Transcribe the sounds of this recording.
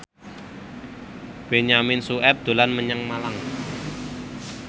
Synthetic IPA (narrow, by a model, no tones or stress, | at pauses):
b̥eɲamɪnsuʔɛp̚d̪̥o̤lanməɲəŋmalaŋ